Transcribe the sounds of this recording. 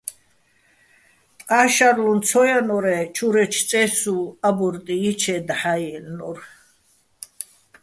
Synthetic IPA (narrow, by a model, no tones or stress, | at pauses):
t̪ʼqʼaʃaɾlunt͡sʰɔjanɔɾɛt͡ʃʰuɾɛt͡ʃ̪ʰt͡sʼɛsuabɔɾt̪ʼiːt͡ʃʰɛd̪aħajɛlnɔɾ